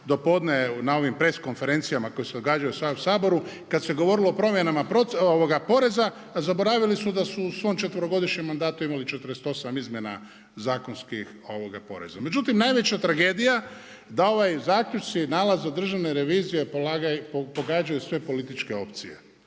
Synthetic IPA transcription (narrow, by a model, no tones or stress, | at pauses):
d̪o̞po̞d̪nenao̞ʋimpɾe̞sko̞nfe̞ɾe̞nt̪sijamako̞jese̞d̪o̞ɡaːd͡ʒajusʋausaːbo̞ɾu | kad̪seɡo̞ʋo̞ɾilˠo̞ːpɾo̞mje̞namapɾooʋoɡapo̞ɾe̞za | zabo̞ɾaʋilisud̪asuːsʋo̞mt͡ʃe̞t̪ʋəɾo̞ɡo̞d̪iʃɲemːand̪aːt̪uimalit͡ʃe̞t̪əɾest̪o̞samizmje̞na̰ | zaːko̞nskix | o̞ʋoɡa̰po̞̰ɾe̞̰zame̞d͡ʒut̪imnajʋe̞t͡ɕat̪ɾaɡe̞ːd̪ija | d̪ao̞ʋajzaːkʎut͡ʃt̪sinaːlazːad̪r̩ʒaʋneɾe̞ʋiːzije̞polaɡapopo̞ɡaːd͡ʒajusʋe̞po̞lit̪it͡ʃke̞o̞pt̪sije̞̰